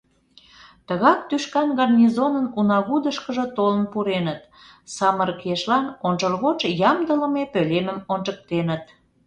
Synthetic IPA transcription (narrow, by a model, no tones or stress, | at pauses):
t̪əɣɑk̚t̪yʃkɑnɣɑrnʲizonənunɑɣud̪əʃkəʒə̆t̪olə̆npuɾenət̪ | sɑməɾkeʃlɑnonʒərɣot͡ʃjɑmd̪ələ̆mepøleməmont͡ʃək̚t̪enət̪